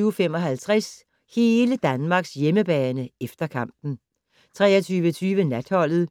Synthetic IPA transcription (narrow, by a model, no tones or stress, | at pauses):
yʊfemɒ̽ɦælt͡sʰʁas | he̝ːləd̥ænmɑ̈ɡ̥sjeməb̥ɛːnəefd̥ɐkʰɑ̈m̰b̥n̩ | t͡sʰʁɛ̰ːɐt͡sʰyːʋət͡sʰyːʋənæd̥hɒ̽l̰ð̩ˠ